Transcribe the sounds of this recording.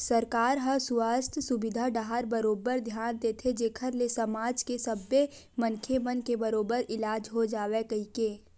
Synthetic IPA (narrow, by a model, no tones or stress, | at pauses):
səɾkaːɾɦəsʊwaːst̪ʰsʊbɪd̪ʱaɖaɦaɾbɐɾoːbəɾd̪ʱjaːnt̪et̪ʰed͡ʒeːkʰəɾlesəmaːd͡ʒkesəbe | mənkʰjemənkebəɾoːbəɾɪlaːd͡ʒɦod͡ʒaːwekɐɦikeː